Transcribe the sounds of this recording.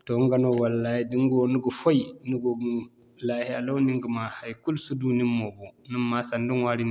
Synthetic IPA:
tɔŋɡanɔwalːahdiŋɡɔnuɡɔfɔjnuɡɔ | lahɛalɔwniŋɡumahajkulsudunimːɔbɔnimːasanduŋwaɾin

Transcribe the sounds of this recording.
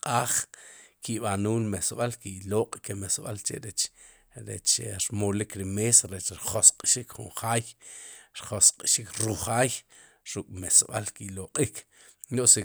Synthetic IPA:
qʼaːχkiɓanuːlmesɓalkiʔloqʼkemesɓa̰lt͡ʃḛʔɾet͡ʃ | ɾet͡ʃɾmolikɾimesaɾet͡ʃɾiχosqʼʃikχṵɴχaːjɾχosqʼʃikɾuχaːj | ɾukʼmesɓalkiloqʼik | oʔsi

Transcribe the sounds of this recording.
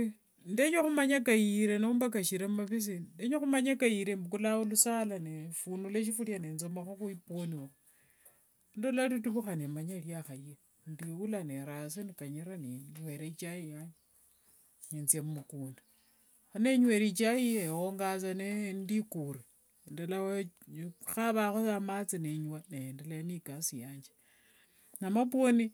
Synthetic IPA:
ndeɲwoxumaɲakajiɾenoumbak̬aʃiɾemmaβis̬indeɲoxumaɲakajiɾembukulaulusalanefunuleʃ̬ifuljanent͡somaxoxuiponiwa | ndolalit̬uβuxanemaɲaljaxae | ndiwulaneɾas̬inikaɲiɾaniɲweɾet͡ʃajijaɲ | ɲent͡sjemumukuːndi | xaneɲweɾit͡ʃajiewoŋɡat͡sanendikuɾe | ndala | xaβaxosamat͡sineɲwaneendalajanikasijaːɲd͡ʒe̥ | namap̬woni

